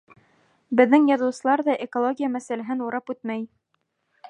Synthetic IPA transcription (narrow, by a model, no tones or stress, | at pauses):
bɘ̆ðːɘŋjɑðɤ̆wsɤ̆lˠɑɾðɑʔekolˠoɡʲijamæsælæɦɘnuɾɑpʉt̪mæj